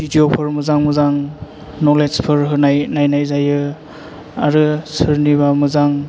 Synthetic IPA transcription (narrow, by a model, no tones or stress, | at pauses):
bidiopʰɯɾmɯzaŋmɯzaŋ | nɔled͡ʒpʰɯɾɦɯnajnajnajzajɯ | aɾɯsɯɾnibamɯzaŋ